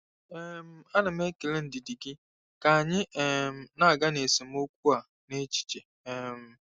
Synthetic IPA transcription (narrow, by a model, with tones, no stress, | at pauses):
ɛ˦m̩˦a˦nɪ˨m̩˦e˦ke˨le˦n̩˨dɪ˨di˨ɡɪ˦ | ka˨ɲɪ˦ɛ˨m̩˨na˦a˨ɡa˦ne˨si˨m̩˦o˦kʷu˦a˨ | ne˦t͡ʃi̥˦t͡ʃe˨ | ɛ˨m̩˦